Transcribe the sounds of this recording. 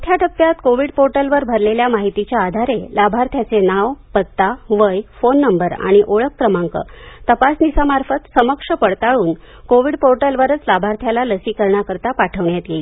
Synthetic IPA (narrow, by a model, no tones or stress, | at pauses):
ət̪ʰjaʈʰəpːjat̪koʋiɽpoɾʈəlʋəɾbʱəɾleljamaɦit̪it͡ɕjaːd̪ʱaɾelabʱaɾt̪ʰjat͡senaʋpət̪ːaʋəjfonːəmbəɾa̰ɽ̃iʔoɭəkːɾəmaŋkə̰t̪əpasnisamaɾfət̪səməkʂəpəɽt̪aɭuːn | koʋiɽpoɾʈəlʋəɾət͡slabʱaɾt̪ʰjalaləsiːkəɾɳjakəɾt̪apaʈʰəʋɳjat̪jeliː